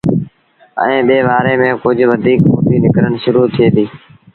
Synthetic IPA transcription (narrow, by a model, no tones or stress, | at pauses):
ɛ̰̃ːɓeːʋaːɾeːmẽːkʊd͡ʑʱʋəd̪ʱiːkmo̰ːbiːnɪkɾəɳʃʊɾuːt̪ʰieːd̪iː